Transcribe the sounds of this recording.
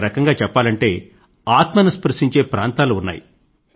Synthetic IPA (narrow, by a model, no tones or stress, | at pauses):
ɾɐkɐŋɡaːt͡ʃɛpːaːlɐɳʈe̞ː | aːt̪mɐnɐspɐɾʂiɲt͡ʃe̞ːpɾaːnt̪aːluunːa̰ːjḭ